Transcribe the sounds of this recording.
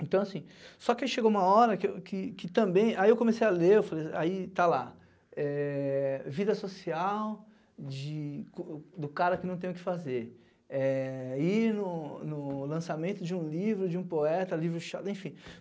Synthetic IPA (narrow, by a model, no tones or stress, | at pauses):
ẽnt̪ɐ̃w̃asĩsɔkɪaʃeɡowũmɐɔɾɐkekɪkɪt̪ɐ̃mbẽj̃aiewkõmesejaleewfalejait̪ala | ɛ | vid̪ɐsosiaw | d͡ʒɪkod̪ʊkaɾɐkɪnɐ̃w̃t̪ẽj̃ʊkɪ̥fazeɾ | ɛinʊnʊlɐ̃samẽnt̪ʊd͡ʒɪũlivɾʊd͡ʒɪũpoɛt̪ɐlivɾʊʃad̪ẽfĩ